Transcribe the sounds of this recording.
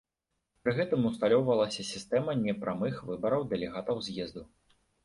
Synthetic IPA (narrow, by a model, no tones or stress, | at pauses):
pɾɨɣɛt̪ɨmust̪alʲɔwvɐlˠɐsʲɐsʲist̪ɛmɐnʲɛpɾʔamɨxvɨbɐɾɐwd̪ɛlʲɛɣat̪ɐwzʲjɛzd̪u